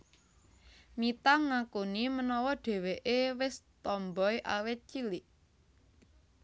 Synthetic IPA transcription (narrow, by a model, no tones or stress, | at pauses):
mit̪aŋakunimənɔwɔɖ̥e̤weʔewɪst̪ɔmbɔjʔa̰wɪt̪̚t͡ʃilɪʔ